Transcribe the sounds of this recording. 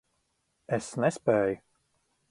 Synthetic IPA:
ɛsnɛspɛːj

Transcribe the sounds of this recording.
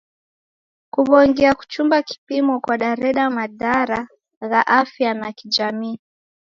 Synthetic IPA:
kuɓɔŋɡɛaku̥t͡ʃumbaki̥pimɔkwaɗaɾɛɗamaðaɾa | ɣaʔafjanakid͡ʒamiː

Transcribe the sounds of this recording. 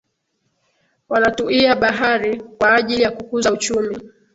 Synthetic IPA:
wanatuiaɓaɦaɾikwaːʄilijakukuzaut͡ʃumi

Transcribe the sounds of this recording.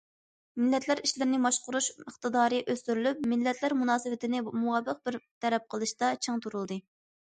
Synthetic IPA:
mɪlːɛt̪ʰlæɾiʃlɪɾɪnɪmɑʃqʊɾuʃəχt̪ɨd̪ɑːɾɨʔøst̪yɾylyp̚mɪlːɛt̪ʰlæɾmunɑːsɨwɪt̪ʰɪnɪmuɑbːəq̚bɪɾt̪ʰɛɾɛp̚qʰəlˠɨʃt̪ɑt͡ʃʰɨŋt̪ʰuɾulˠd̪ɨ

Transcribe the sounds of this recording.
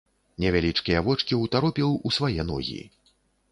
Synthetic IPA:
nʲɛvʲalʲit͡ʂkʲijɐvɔt͡ʂkʲiwt̪aɾɔpʲiwʔusvajɛnɔ̰ɣʲḭ

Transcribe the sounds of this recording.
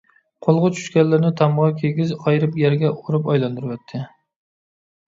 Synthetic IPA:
qʰolˠʁʊt͡ʃʰy̥ʃkʲanlːɪɾnɪt̪ʰɑmʁɑkʲʰeɡʲɪzʰɑjɾɪpjaɾɡʲɛʔoɾɪpɑjlˠɑnd̪ʊɾwɛt̪ʰːɪ

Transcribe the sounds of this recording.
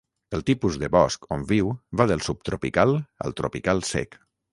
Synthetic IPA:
əlˠt̪ipuzðəβɔskombiwβaðəlˠsup̚t̪ɾopikalˠə̰lˠt̪ɾupikalˠsɛ̰k

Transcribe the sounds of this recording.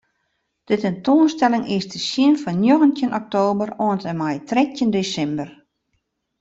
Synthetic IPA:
d̥ətɛntoːnstɛlɪŋɪsdəsjɪnfɔnjoɣəntjənʔɔk̚toːbəroəntəmajtrɛk̚əndeːsɛmbər

